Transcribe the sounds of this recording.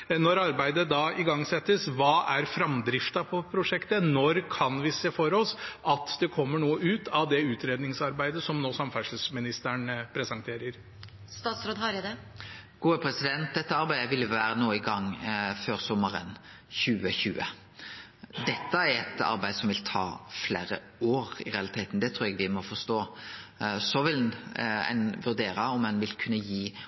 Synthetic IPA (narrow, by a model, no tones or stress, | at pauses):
nɔɾɑɾbæɪd̪əd̪ɑɪɡɑŋːsɛt̪ːəsʋɑːʔæɾfɾɑmd̪ɾɪft̪ɑpʰɔpʰɾʊʂɛkt̪ənɔɾkʰɑnʋɪseːfɔɾɔsʔɑt̪d̪ɛkʰɔmːəɳuːəʉːt̪ʰɑʋd̪ɛʉːt̪ɾeːd̪nɪŋsɑɾbæɪd̪əsɔmnoːsɑmfæʂəl̩smɪnɪst̪æɳpʰɾɛsɛnt̪ʰeːɾəɾ | st̪ɑːt̪sɾoːd̪hɑɾɪd̪ɛ | ɡ̥uːəpʰɾɛsɪd̪ɛnt̪̚d̪ɛt̪ːəɑɾbæɪd̪əʋɪlːʋæːɾənoːɪɡɑŋːføːɾsɔməɾə̰n | çʉːəçʉːə̰ | d̪ɛt̪ːəæɾɛt̪ɑ̰ɾbæɪsɔmʋɪlt̪ʰɑ̰ːfleːɾə̰ | oːɾɪ̰ɾɛɑlɪt̪ʰeːt̪n̩d̪ɛt̪ʰɾuːɾɛɡʋɪmɔfɔst̪oː | sɔʋɪlæ̰ɪnʋʉɾd̪eːɾɑɔmɛnʋɪlkʰʉnːəjiː